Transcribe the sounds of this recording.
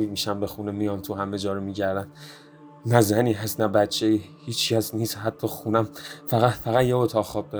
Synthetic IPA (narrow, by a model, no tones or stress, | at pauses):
imiʃæmbexunemijɒnt̪ʰuhæmed͡ʒɒːɾomiːɟæɾd̪æn | næzæniːɦæst̪næbæt͡ʃʰːeiːhiːt͡ʃcæsniːst̪hæt̪ʰːɒːxunæmfæɣæt̪fæɣæd̪jeot̪ʰɒːɣxɒːb̚d̪ɒ